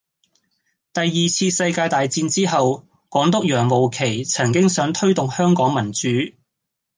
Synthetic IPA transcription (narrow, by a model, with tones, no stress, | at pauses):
t̪ɐ˨jːiː˨t͡sʰiː˧sɐ˧jkaː˧jt̪aː˨jt͡siː˧nt͡siː˥ɦɐ˨w | kɔː˨˥ŋt̪ʊ˥k̚jœː˨˩ŋmo˨wkʰe˨˩jt͡sʰɐ˨˩ŋkɪ˥ŋsœː˨˥ŋt̪ʰɵ˥ɥt̪ʊ˨ŋhœː˥ŋkɔː˨˥ŋmɐ˨˩nt͡syː˨˥